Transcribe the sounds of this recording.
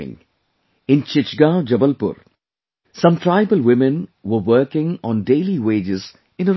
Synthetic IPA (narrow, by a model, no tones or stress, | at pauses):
ɪ̰̃ŋ | ɪ̃nt͡ʃɪt͡ʃɡad͡ʒʌbəlpʊ̰ɾ | sʌ̃mʈʰɾaɪbəlwɪmɛ̃nʋəʋəːkɪ̃ŋɔ̃ːnɖeːliweːd͡ʒɪz | ɪ̃nə